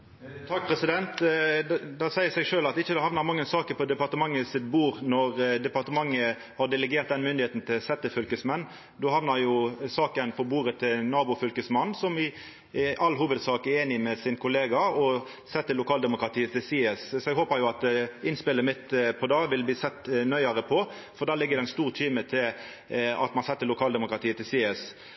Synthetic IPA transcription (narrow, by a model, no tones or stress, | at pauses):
t̪ʰɑk̚ːpʰɾɛsɪd̪ɛnt̪ | d̪ɛsæɪəɾsɛɡʂøːlɑt̪ɪçːəd̪ɛhɑʋnəɾmɑŋːənsɑːkəɾpʰɔd̪ɛpɑɾʁt̪əmɑŋːəsɪt̪̚buːʁnɔʁd̪ɛpɑɾt̪əmɑŋːə | hɑɖ̪ɛləɡeːɾt̪̚d̪ɛnmʏnd̪ɪheːt̪n̩t̪ʰɪlsɛt̪ːəfʏlkəsmɛnː | d̪uːhɑʋnəɾjʊsɑːkənpʰɔbuːʁət̪ʰɪlnɑːbʊfʏlkəsmɑnːsɔmɪ | ʔɑlɦuːʋəd̪sɑːkæeːnɪmɛsɪnkʰʊleːɡɑɔ | sɛt̪ːəlʊkʰɑːld̪ɛmʊkʁɑt̪ʰiːət̪ʰɪlsiːəssɔɛɡɦoːpəɾjʊɑt̪d̪ɪnspɪlːəmɪt̪ːpʰɔd̪ɑːʋɪlbliːsɛt̪ːnœʏəʁəpʰɔ | fɔɾd̪ɑːlɪɡːəd̪ɛnst̪uːʁt̪ʰyːmət̪ʰɪl | ɑ̰t̪mɑnsɛt̪ːəlʊkʰɑːld̪ɛmʊkʁɑt̪ʰiːət̪ʰɪlsiːɛs